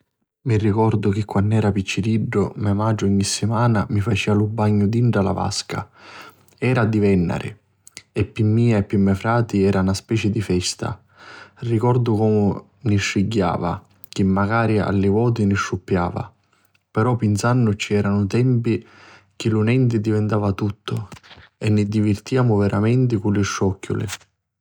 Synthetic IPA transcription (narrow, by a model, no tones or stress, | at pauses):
mirːikɔrd̪ʊk̟ɪkːwanːɛːɾapit͡ʃːiɾiɖːʊmɛmad͡ʒʊiɲːisːimaːnamifat͡ʃiːalubːaɲːʊd̪iɳʈɾala̰va̰ska̰ | ɛːɾad̪ivɛnːa̰ɾɪ̰ | ɛpːimːiːaepːimːɛfɾaːt̪iɛːɾʔanaspɛːt͡ʃɪd̪ifɛst̪a̰ | rikɔrd̪ʊkɔːmʊ | niʃːiɟːa̰ːva̰ | k̟ɪmːaɡaːɾia̰lːɪvɔːt̪̬iniʃːupːja̰ːva̰ | pɛɾɔpːinsanːʊt͡ʃːiɛːɾanʊt̪ɛmpi | k̟ɪlunɛnt̪ɪd̪ivɛnt̪aːvat̪ut̪ʰːʊ̰ɛnːɪd̪ivɪrt̪ijaːmʊvɛɾʔamɛnt̪̬ɪkulːɪʃːɔkːʊ̰lɪ̰